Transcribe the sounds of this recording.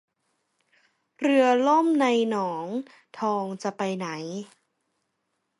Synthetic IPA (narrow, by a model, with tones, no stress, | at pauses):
ɾɯ˧əlo˥˩˨mna˧jnɔː˩˦ŋ | t̪ʰɔː˧ŋt͡ɕa˨˩pa˧jna˩˦j